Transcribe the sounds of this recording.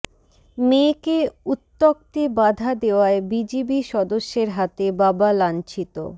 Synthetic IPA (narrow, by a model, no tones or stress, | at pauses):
mekeut̪ːok̚t̪ebad̪ʱad̪eoaebid͡ʑibiʃɔd̪oʃːeɾɦat̪ebabalant͡ɕit̪o̰